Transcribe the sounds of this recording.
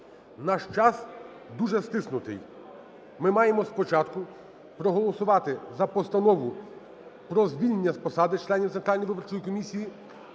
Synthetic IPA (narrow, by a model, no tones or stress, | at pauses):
nɑʃt͡ʃɑs | d̪uʒɛst̪ɪsnʊt̪ɪ̰j | mɪmɑjemɔspɔt͡ʃɑt̪kʊ | pɾɔɦɔlˠɔsʊʋɑt̪ɪzɐpɔst̪ɐnɔʋʊ | pɾɔzʋʲilʲnenʲːɐspɔsɑd̪ɪt͡ʃlˠɛnʲiwt̪sɛnt̪ɾalʲnɔjʋɪbɔrt͡ʃɔjikɔmʲisʲiji